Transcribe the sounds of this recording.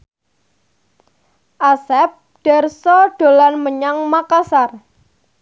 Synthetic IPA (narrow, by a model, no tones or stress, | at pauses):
ʔasɛp̚ɖ̥ɛ̤rsɔɖ̥o̤lanməɲaŋmakasar